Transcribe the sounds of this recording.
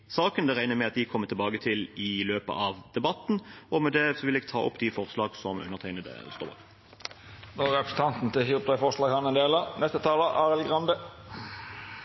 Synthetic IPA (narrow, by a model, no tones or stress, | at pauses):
sɑːkənd̪ɛɾæɪnəmɛɑt̪̚d̪ɪkʰɔmːət̪ʰɪlbɑːɡət̪ʰɪlɪløːpə̰ʔɑʋd̪̥ɛbɑt̪ːn̩ɔmɛd̪ɛsɔʋɪlɛːɡ̚t̪ʰɑːʔʊ̰pːd̪ɪfɔʁslɑːɡsɔmʉ̰nːəʁt̪ʰæɪnəd̪ɛ̰st̪o̰ːbɑ̰k | nɔɾɛpɾəsn̩t̪ɑnt̪n̩t̪ɪhip̚t̪ʰɑɪfɔʂlɑːɡhɑnɛnd̪eːlənɛst̪ət̪ʰɑːləʔɑːʁlɡʁɑnd̪ə